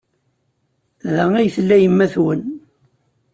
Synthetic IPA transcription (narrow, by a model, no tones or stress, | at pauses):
ðææjθlːæjəmːæθwən